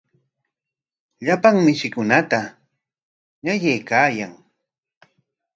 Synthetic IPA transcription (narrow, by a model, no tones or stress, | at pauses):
ʎapaŋmɪʃɪkʊnat̪a | ɲajajkaːjaŋ